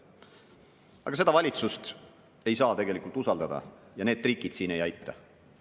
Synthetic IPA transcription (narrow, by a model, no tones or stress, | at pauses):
ɑ̰ɡɑse̞d̪̥ɑvɑlʲit̪sust̪ | e̞jsɑːt̪e̞ɡ̥e̞likˑult̪usɑld̪ɑd̪ɑ̰jɑneːd̪̥riːkˑid̪̥siːne̞jɑjt̪ːˑɑ̰